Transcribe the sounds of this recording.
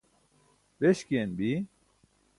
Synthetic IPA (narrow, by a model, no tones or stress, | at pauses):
beɕkenbi